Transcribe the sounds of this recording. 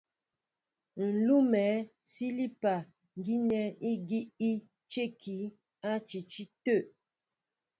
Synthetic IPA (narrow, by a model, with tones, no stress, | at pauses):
n̩˨lu˦mɛ˨˦ | si˦li˦pa˨ | ŋ˨ɡi˦ɲɛ˦i˦ɡi˦ʔi˦ | t͡ʃe˦˨kʰi˨˦ | a˦t͡ʃi˨t͡ʃi˦tə˦˨ʔ